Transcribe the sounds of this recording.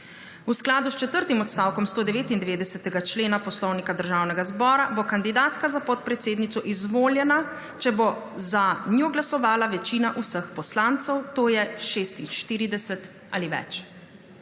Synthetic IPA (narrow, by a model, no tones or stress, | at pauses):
usklaːd̪ust͡ʃɛt̪əɾt̪imɔt̪st̪aːwkɔmst̪oːd̪ɛʋeːt̪ind̪ɛʋeːd̪ɛsɛt̪ɛɡat͡ʃleːnapɔslɔwnikad̪əɾʒaːwnɛɡazbɔːɾabokand̪id̪aːt̪kazapɔt̪̚pɾɛt̪seːd̪nit̪ɔʔizʋoːljɛna | t͡ʃɛbo | zanjoːɡlasɔʋaːlaʋɛt͡ʃiːnaʔusəxpɔslant̪sɛwt̪oːjɛʃeːst̪inʃt̪iːɾid̪ɛsɛt̪ | a̰liʋɛ̰t͡ʃ